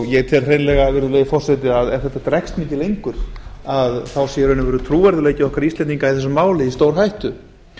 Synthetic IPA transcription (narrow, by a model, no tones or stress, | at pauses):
jɛɣt̪ʰɛlr̥ejnlɛɣavɪɾðʏleːjɪfɔr̥sɛt̪ɪaðɛɾ̥θɛt̪ːat̪ɾajkst̪mɪnt̪ɪlejŋkʏɾ̥aðθawsjɛɾœnʏvɛːɾʏt̪ʰɾuːvɛɾðʏleːjcɪɔhkaɾist̪lɛniŋkaiθɛs̬ːʏmaːwlɪist̪owɾɦajht̪ʏ